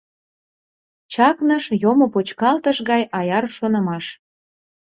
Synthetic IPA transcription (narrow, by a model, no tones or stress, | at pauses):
t͡ɕɑknəʃjomopot͡ɕkɑlt̪əʃɣɑjʔɑjɑrʃonə̆mɑʃ